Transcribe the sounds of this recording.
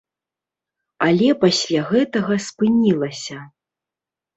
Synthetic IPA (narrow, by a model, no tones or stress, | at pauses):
alʲɛpasʲlʲaɣɛt̪ɐɣɐspɨnʲilˠɐsʲɐ